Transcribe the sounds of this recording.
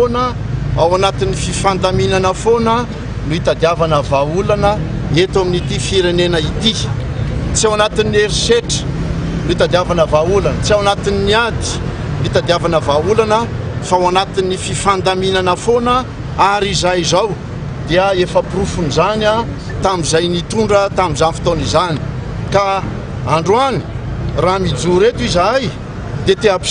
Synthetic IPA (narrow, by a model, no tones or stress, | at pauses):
onə | awanat̪inififand̪aminanəfonə | nuit̪ad̪iavanəvaulanə | et̪aminit̪ifiɾenenəit̪i | t͡siawanat̪inːeɾiseʈ͡ʂə̥ | nuit̪ad̪iavanəvaulanət͡siawanat̪ininiad̪i̥ | nuit̪ad̪iavanəvaulanəfawanat̪inififand̪aminanəfonə | aɾizajzaw | d̪eəefəprufunzana | t̪amizajnit̪uɳɖ͡ʐət̪amizanifi̥t̪onizani̥ka | aɳɖ͡ʐuani̥ramid͡zuɾet̪uizaj | d̪et̪eap